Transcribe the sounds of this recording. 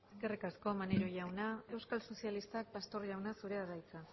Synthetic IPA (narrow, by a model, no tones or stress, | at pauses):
eske̞rikasko̞maneɾoʝawnae̞wskalso̞sjalist̪ak̚past̪o̞ɾʝawnasuɾe̞aðajt͡sa